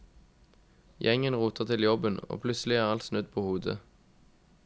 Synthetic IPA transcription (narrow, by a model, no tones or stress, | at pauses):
jʔɛŋənʁuːt̪ʰəʁt̪ʰɪljɔbəno̰ːpʰlʉtsəlɪæːʁɑlt̪snʉd̪̚pʰoːhuːd̪ə̰